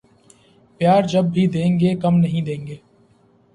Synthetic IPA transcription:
pjaːɾd͡ʒɐb̚ːʱid̪ẽːŋɡeːkɐmnɐɦĩd̪ẽːŋɡeː

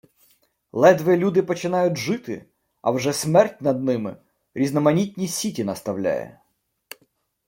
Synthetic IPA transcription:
lˠɛd̪ʋɪlʲud̪ɪpɔt͡ʃɪnɑjʊtʲʒɪt̪ɪ̰ | ɐ̰wʒɛsmɛrtʲnɐd̪̚nɪmɪ̰ | ɾʲiznɔmɐnʲitʲnʲisʲitʲinɐst̪ɐwlʲa̰jɛ̰

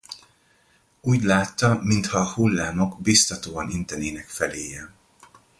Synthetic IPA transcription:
uːɟlaːt̪ːɒmint̪hɒːhulːaːno̞ɡbist̪ɒt̪oːɒnint̪ɛneːnɛkfɛleːjɛ

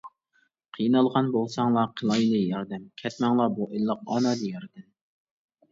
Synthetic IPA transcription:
qʰijnɑlˠʁɑnbolˠsɑŋlˠɑqʰəlˠɑjlˠɨjɑɾd̪ɛmkʲʰɛt̪mɛŋlˠɑbuʔelˠːəq̚ɑ̰nɑd̪ijɑɾd̪ɛm

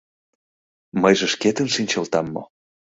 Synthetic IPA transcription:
məjʒĕʃket̪ə̆nʃinʲt͡ɕɤlt̪ɑmːo̰

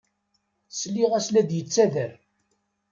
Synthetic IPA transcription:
slːiʁæslæd̪jət͡sːæðəɾ

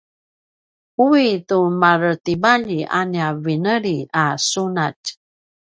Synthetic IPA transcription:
uitumaɾətibaʎiʔa̰niavinəɾiasunat

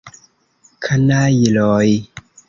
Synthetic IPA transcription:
kʰanajilɔi

